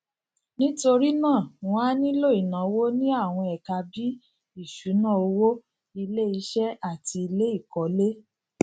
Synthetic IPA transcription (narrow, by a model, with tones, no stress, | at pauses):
nĩ˦to˧ɾi˦nãː˦˨w̃ɔ̃˦a˦nĩ˦lo˦˨i˨nã˨˧wo˦nĩ˦a˦˨w̃ɔ̃˧ɛ˨ka˧bi˦ | i˦˨ʃu˨˦nã˦˨o˧wo˦ | i˧le˦i˧˦ʃɛ˦a˦˨ti˧i˧le˦i˦˨kɔ˨˦le˦